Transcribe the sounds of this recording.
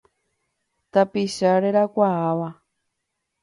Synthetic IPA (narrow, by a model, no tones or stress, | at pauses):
t̪apiʃaɾeɾakʷaaβa